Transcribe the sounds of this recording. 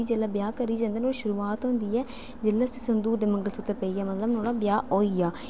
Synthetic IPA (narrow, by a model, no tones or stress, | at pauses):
iːd͡ʒelaːbjaːkəɾiːd͡ʒãːnd̪əːnoːliʃʊɾuːaːt̪ɦʊ̃ːnd̪iːɛː | d͡ʒɪlːaːssənd̪uːɾd̪eːməŋɡəlsʊt̪ːəɾpəiːɛːmət̪ləbnoːɽaːbjaːɦoːiːjaː